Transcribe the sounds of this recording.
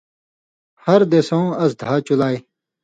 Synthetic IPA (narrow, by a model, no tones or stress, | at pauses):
hɐɾd̪esõːɐsd̪ʱaːt͡ɕulaːe